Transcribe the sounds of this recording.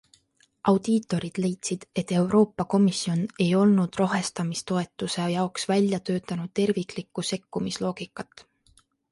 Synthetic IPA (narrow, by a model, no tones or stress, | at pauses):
ʔɑwd̪̥iːt̪ˑo̞ɾid̪̥le̞jt̪sid̪̥e̞t̪ːe̞wɾo̞ːpːˑɑko̞misio̞ne̞jo̞lnud̪̥roɦe̞st̪ɑmist̪o̞e̞t̪ːˑuse̞jɑoksvælʲjɑt̪ø̞ːt̪ːˑɑnud̪̥̚t̪e̞rvikˑlikːˑuse̞kːumislo̞ːɡ̥ikːˑɑt̪ːˑ